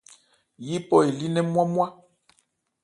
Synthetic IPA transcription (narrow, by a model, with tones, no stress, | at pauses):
ji˦pɔ˦e˨li˦nɛ˦mwa˦mwa˦